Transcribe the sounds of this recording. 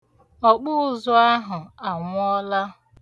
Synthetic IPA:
ɔ˨k͡pʊ˦ʊ˨zʊ˦a˦ɦʊ˨a˨ŋʷʊ˦ɔ˦la˦

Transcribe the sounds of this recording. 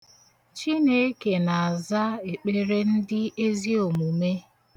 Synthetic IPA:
t͡ʃi˦ne˦e˦ke˨na˨a˨za˦e˨k͡pe˦ɾe˦n̩˦dɪ˦e˦zi˦o˨mu˨me˦

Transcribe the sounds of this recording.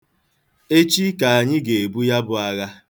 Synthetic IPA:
e˦t͡ʃi˦ka˨a˨ɲɪ˦ɡe˨e˨bu˦ja˦bʊ˨a˦ɣa˦

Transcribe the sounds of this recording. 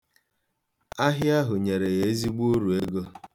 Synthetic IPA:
a˦ɦɪ˦a˦ɦʊ˨ɲe˨ɾe˨ɣe˨e˦zi˦ɡ͡bu˦o˦ɾu˨e˦ɡo˦

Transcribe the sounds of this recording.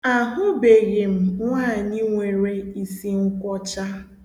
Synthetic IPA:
a˨ɦʊ˦be˨ɣe˨m̩˨ŋʷaː˦˨ni˦ŋʷe˨ɾe˦i˨si˦ŋ̩˦kʷɔ˦t͡ʃa˦

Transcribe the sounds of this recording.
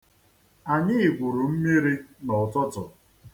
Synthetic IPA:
a˨ɲɪ˦ɪ˨ɡʷʊ˨ɾu˨m̩˦mi˦ɾi˦nɔ˨tɔ˦tɔ˨

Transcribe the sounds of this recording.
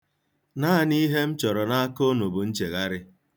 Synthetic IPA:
na˦˨ni˦ɦe˦m̩˦t͡ʃɔ˨ɾɔ˨na˦a˦ko˦no˨bu˨n̩˦t͡ʃe˨ɣa˦ɾɪ˦

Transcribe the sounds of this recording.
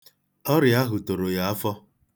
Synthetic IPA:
ɔ˦ɾɪ˨a˦ɦʊ˨to˨ɾo˨ja˨˦a˦fɔ˦

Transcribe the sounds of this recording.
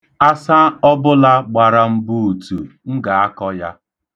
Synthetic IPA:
a˦sa˦ɔ˦bʊ˦la˦ɡ͡ba˨ɾa˨m̩˦bu˦u˨tu˨ŋ̩˦ɡa˨a˦kɔ˦ja˦

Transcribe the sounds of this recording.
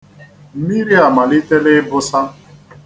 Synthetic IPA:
mi˦ɾi˦a˨ma˨li˦te˦le˦bʊ˦sa˦

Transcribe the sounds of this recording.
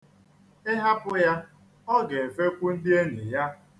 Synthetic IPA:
ɪ˦ɦa˦pʊ˦ja˦ | ɔ˦ɡe˨e˨fe˦kʷu˦n̩˦dɪ˦e˦ɲe˨ja˦

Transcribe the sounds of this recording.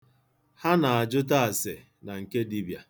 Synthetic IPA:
ha˦na˨a˨d͡ʒʊ˦t̬a˦a˨se˨ | na˨ŋ̩˨ke˦di˦bja˨

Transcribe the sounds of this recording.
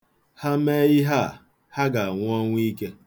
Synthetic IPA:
ha˦me˦jɪ˦ɦa˦˨ | ha˦ɡa˨a˨ŋʷ˦ɔ˦ŋʷ˦i˦ke˦

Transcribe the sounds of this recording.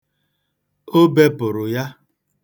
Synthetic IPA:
o˦be˦pʊ˨ɾʊ˨ja˦

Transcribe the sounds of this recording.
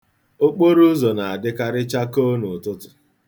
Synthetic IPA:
o˦k͡po˦ɾu˦zo˨na˨a˨dɪ˦ka˦ɾɪ˦t͡ʃa˦ko˦nʊ˨tʊ˦tʊ̥˨

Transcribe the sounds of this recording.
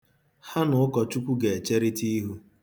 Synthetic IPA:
ha˦nʊ˨˦ʊ˦kɔ˨t͡ʃu˦kʷu˦ɡe˨e˨t͡ʃe˦ɾi˦ti˦ɦu˦

